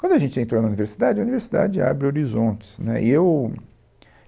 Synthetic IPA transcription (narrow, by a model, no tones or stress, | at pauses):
kwɐ̃nd̪ʊaʒẽnt͡ʃɪẽnt̪ɾonɐuniveɾsid̪ad͡ʒɪɐuniveɾsid̪a̰d͡ʒɪa̰bɾɪoɾizõnt͡ʃɪ̥snɛ̰ʔɪ̰ew